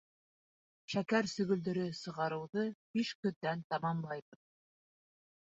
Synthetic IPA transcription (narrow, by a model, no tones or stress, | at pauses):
ʃækæɾsɵ̆ɡɵ̆ld̪ɵ̆ɾɵsɤ̆ʁɑɾɤ̆wðɤbiʃkɵ̆ðːænt̪ɑmɑmlˠɑjβɤð